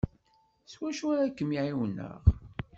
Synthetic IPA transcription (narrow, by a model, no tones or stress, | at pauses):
swæʃʊɾækːəmiʕiwənːə̰ʁ